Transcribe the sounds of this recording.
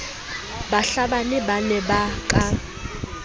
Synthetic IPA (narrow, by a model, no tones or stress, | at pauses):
baɬabanɪbanɛbakʼa